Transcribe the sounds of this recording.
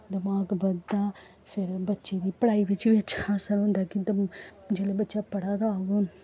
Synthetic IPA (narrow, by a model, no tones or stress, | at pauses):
d̪əmaːɡbəd̪aː | pʰɪɾbətːʃeːd̪iːpəɽaːiːʋɪt͡ʃʋiːətːt͡ʃʰaːsənɦʊ̃nd̪aːkɪd̪əd͡ʒeːleːbətːʃaːpəɽaːd̪aɡoːn